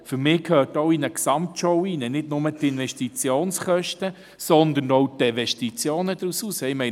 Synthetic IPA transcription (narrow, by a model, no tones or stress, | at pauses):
fʏɾmɪːkʰøːtɔʊinəksɑmtʃɔwinənɪdnʊmət̪ɪnvɛʃtit͡sjoːnsχœʃtə | sɔnd̪ənɔwtinvɛʃtit͡sjoːnəd̪ɾusuːsəɪmɛ